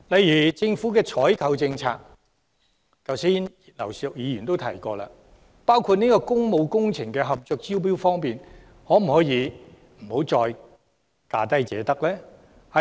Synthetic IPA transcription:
lɐ˨˧jyː˨˩t͡sɪ˧ŋfuː˨˥kɛː˧t͡sʰɔː˨˥jkʰɐ˨˧wt͡sɪ˧ŋt͡sʰa̰ː˧k̚ | t͡sɐ˨˧wsiː˥ni˨lɐ˨˩wsk̚jiː˨˧jyː˨˩nt̪o˥wt̪ʰɐ̰˨˩jkɔː˧la̰ː˧ | paː˥wkʰuː˧t̚niː˥kɔː˧kʊ˥ŋmo˨˧wkʊ˥ŋt͡sʰɪ˨˩ŋkɛː˧ɦɐ˨p̚t͡sœ˧k̚t͡siː˥wp̬iː˥wfɔː˥ŋpiː˨n | hɔː˨˥m̩˨˩hɔː˨˥jiː˨˧ | m̩˨˩ho˨˧˥wt͡sɔː˧j | kaː˧t̪ɐ˥jt͡sɛ̰ː˨˧t̪ɐ˥k̚lɛː˥ | hɐ˨

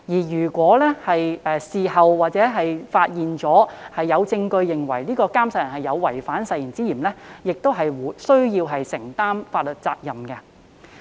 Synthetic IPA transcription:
jiː˨˩jyː˨˩kʷɔː˨˥lɛː˥hɐ˨jɛː˨˧siː˨˧hɐ˨wwaː˨t̚t͡sɛː˨˥ɦɐ˨jfaː˧t̚jiː˨nt͡sɔː˨˥hɐ˨jːɐ˨˧wt͡sɪ˧ŋkɵ˧ɥjɪ˨˩ŋwɐ̰˨˩jliː˥kɔː˧kaː˥msɐ˧jɐ˨˩nhɦɐ˨jːɐ˨˧wːɐ˨˩jfaː˨˥nsɐ˧jiː˨˩nt͡siː˥jiː˨˩mlɛ˥jɪ˨k̚t̪o˥wɦɐ˨jwuː˨˩sɵ˥ɥjiː˧wɦɐ˨jsɪ˨˩ŋt̪aː˥mfaː˧t̚lɵ˨t̚t͡saː˧k̚jɐ˨mkɛ˧

